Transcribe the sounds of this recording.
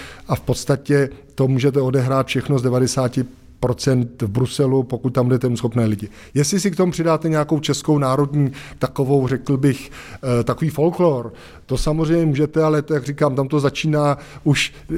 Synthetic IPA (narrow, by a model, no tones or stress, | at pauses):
ʔafpo̞t̪st̪acɛt̪o̞muːʒɛt̪ɛo̞dɛɦɾaːt̪fʃɛxnozdɛvadɛsaːcɪ | pɾo̞t͡sɛnt̪vbɾusɛlupo̞kut̪̚t̪ambudɛt̪ɛmusxo̞pnɛːlɪɟɪ | jɛslɪs̬ɪkt̪omupr̥ɪdaːt̪ɛɲɛako̞wt͡ʃɛsko̞wnaːɾo̞dɲiːt̪ako̞vo̞wrɛkl̩bɪxt̪ako̞viːfo̞lkloɾ | t̪o̞samozr̝ɛjmɲɛmuːʒɛt̪ɛalɛt̪ojaɡrikaːmt̪amt̪o̞zat͡ʃiːnaː | ʔuʃ